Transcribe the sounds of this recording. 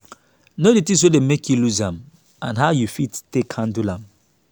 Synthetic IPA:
noditĩs̬wedemekʰjuluzãm | ãnɦaʊjufitːekhãndulãm

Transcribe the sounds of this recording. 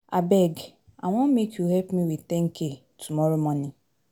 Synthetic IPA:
a̰bɛɡa̰ŋʷɔmekʰjuɦɛpmiwit̪ɛŋ̩ke | tʰumɔɾomɔni

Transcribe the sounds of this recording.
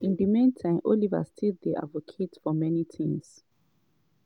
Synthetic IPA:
ĩndimẽntʰãɪ̃mʔoliva̰stʰildeʔa̰dvokʰetfɔmɛnitʰĩŋs

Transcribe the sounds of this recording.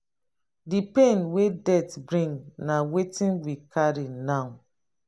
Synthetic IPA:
dipẽnwedɛtbɹĩŋnawetĩnwikʰaɾinãw̃

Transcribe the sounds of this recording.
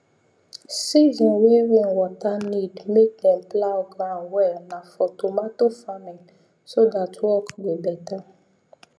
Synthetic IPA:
sizɔ̃nweɹĩnwɔtanidmek̚ɛ̃mplaɡɾãmwɛlnãfɔtomatofamɛ | sodatwɔkwebɛta

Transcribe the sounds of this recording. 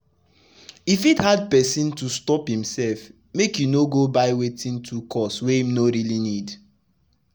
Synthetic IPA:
ifithad̚pɛsĩntustɔphĩmsɛlf | mekjunoɡobaɪwetĩntʰukʰɔswɛĩmnoɾilinid

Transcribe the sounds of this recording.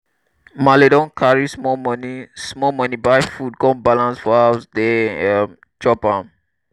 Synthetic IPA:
maledɔ̃nkʰaɹismɔmnismɔmãnibajfut̚ɡɔ̃nbalãnsfɔasdɛəm | d͡ʒɔpãm

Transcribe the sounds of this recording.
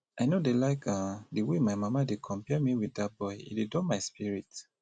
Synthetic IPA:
aɪnodelaɪkãdəwemaɪmamadekʰɔ̃mpɛmiwiddat̚bɔɪḭdedɔmaɪspiɹit

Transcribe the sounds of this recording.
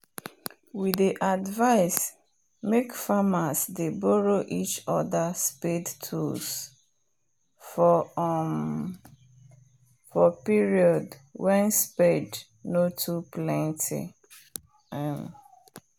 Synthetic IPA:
widiʔadvaɪs | mekfamasdebɔɹoʔit͡ʃɔðaspedtʰṵls | fɔm | fɔpiɹiɔdwɛ̃nspɛd | notʰuplɛ̃ntʰḭ | ɛm

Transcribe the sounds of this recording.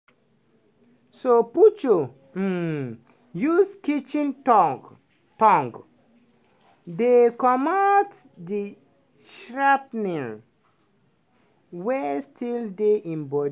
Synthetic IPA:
soput͡ʃo | juskit͡ʃĩn | tɔ̃ŋɡ | dekɔmat | di | ʃɹap̚niɹ | wɛstʰildeʔĩmbɔ

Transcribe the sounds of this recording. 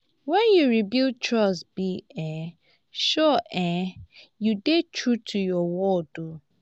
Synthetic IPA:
wɛ̃njuɹibil̚tʰɹɔsbiɛ̃ | ʃɔʔɛ̃judetʰɹutʰujɔwɔdu

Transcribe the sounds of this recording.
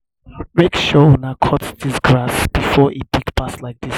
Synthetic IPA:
mekʃonakʰɔtsdisɡɹasb̥ifɔʔib̥iɡbaslajk̚dis

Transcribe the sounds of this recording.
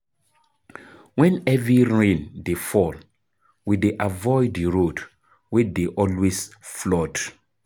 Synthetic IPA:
wɛ̃nɛvɹiɹẽndefɔl | wideʔavɔɪdiɹod | wɛdeʔɔlwesflɔt

